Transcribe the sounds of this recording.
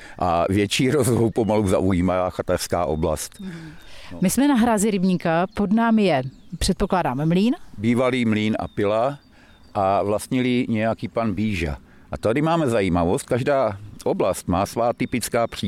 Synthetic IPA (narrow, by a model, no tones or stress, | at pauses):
ʔa̰vjɛt͡ʃiːɾozvowpomaluza̰ʔujiːmaxat̪arska̰ːʔo̞bla̰st̪ | mɪsmɛnaɦɾaːzɪɾɪbɲikapo̞dnaːmɪjɛpr̥ɛt̪̚poklaːdaːmɛmliːnbiːvaliːmliːnʔa̰pɪla | ʔavlast̪ɲɛliɲɛjakiːpanbiːʒa̰ | ʔat̪adɪmaːmɛzajiːmavost̪̚kaʒdaːʔoblast̪maːsvaːt̪ɪpɪt͡skaːpr̝̥iː